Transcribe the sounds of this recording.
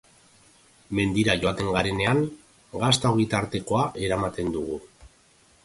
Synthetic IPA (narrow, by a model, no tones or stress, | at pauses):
me̞nd̪iɾaʝot̪e̞ŋɡaɾe̞ne̞aŋ | ɡast̪aɣit̪aɾt̪e̞ko̞aʔe̞ɾamat̪e̞nd̪uɣ̞u